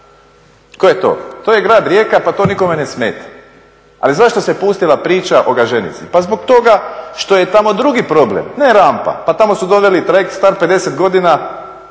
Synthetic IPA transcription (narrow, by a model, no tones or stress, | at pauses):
kojet̪o̞̰ːt̪oːjeɡɾaːd̪ɾje̞ːkapat̪o̞ːniko̞menesmḛːt̪ḁ | a̰lizaʃt̪o̞sepust̪ilapɾiːt͡ʃaʔo̞ɡaʒenḭt̪sipazbokt̪o̞ɡaʃt̪o̞je̞t̪amo̞d̪ɾuɡipɾo̞blḛmneɾampa̰pat̪amo̞sud̪o̞ʋe̞lit̪ɾekst̪aɾpe̞d̪e̞set̪ɡo̞d̪ina